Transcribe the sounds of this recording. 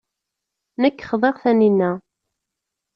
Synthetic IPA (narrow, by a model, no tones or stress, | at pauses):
nəkːχðˤeʁθæninːæ